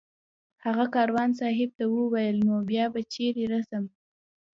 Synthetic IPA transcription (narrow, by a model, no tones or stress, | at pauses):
haɣakɑɾwɑns̬ɑɦɪb̚t̪awəwajəlnobjɑbat͡ʃeɾeɾasəm